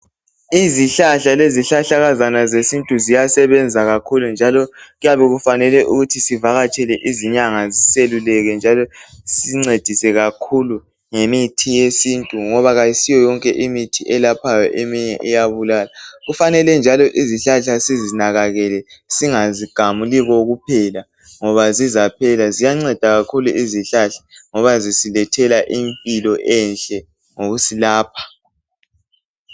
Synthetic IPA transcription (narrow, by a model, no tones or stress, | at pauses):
iziɬaɬaleziɬaɬaɣazanazesintʼuzijasɛβɛnd͡zʱaɣakʰulund͡ʒʱalɔɣujaβɛɣufanɛlɛʔuɣutʰisivaɣat͡ʃʼɛlɛʔiziɲaŋaziselulɛɣɛnd͡ʒʱalɔsiŋ͡ǀed̥ʱisɛɣakʰulu | ŋemitʰijesintʼuŋɔβaɣajisijɔjɔŋkʼɛʔimitʰiʔɛlapʰajɔʔemiɲɛʔɛjaβulaːlaɣufanɛlɛnd͡ʒʱalɔʔiziɬaɬasizinaɣaɣɛlɛsiŋaziɡ̥ʱamuliɣɔɣupʰɛla | ŋɔβazizapʰɛlazijaŋ͡ǀɛd̥ʱaɣakʰuluʔiziɬaɬḁŋɔβazisilɛtʰɛlaʔimpʼilɔʔɛnɬʼɛ | ŋoɣusilaːpʰḁ